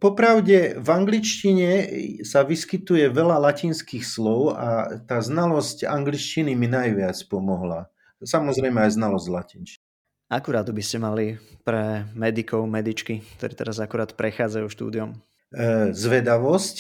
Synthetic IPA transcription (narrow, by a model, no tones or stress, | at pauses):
pɔpɾaʊɟɛvaŋɡlit͡ʃciɲɛsaʋiskit̪ujɛʋɛlalaciːnskiːxslɔʊa̰t̪aːznalɔsca̰ŋɡlit͡ʃciniminajʋɪat͡spɔmɔɦla̰ | samɔzɾɛjmɛajznalɔzɟlacint͡ʃ̪i | akuɾaːt̪biscɛmalipɾɛmɛd̪ikɔʊmɛd̪it͡ʃkik̚t̪ɔɾɛːt̪ɛɾazakuɾaːt̪pɾɛxaːd͡zajuʃt̪ṵːd̪iɔm | zʋɛd̪aʋɔsc